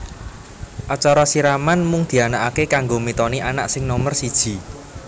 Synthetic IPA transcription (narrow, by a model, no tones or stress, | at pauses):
ʔat͡ʃaɾɔsiɾamanmʊŋd̪̥i̤anaʔakekaŋɡomit̪ɔniʔanaʔsɪŋnɔmərsid̥ʒ̥i̤